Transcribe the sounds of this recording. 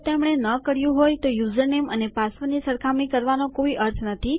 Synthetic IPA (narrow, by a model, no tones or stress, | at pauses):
t̪emɽ̃enəkəɾjũɦojt̪ojuzəɾnemənepasʋənisəɾkʰamɽĩkəɾʋanokoiʔəɾt̪ʰnət̪ʰi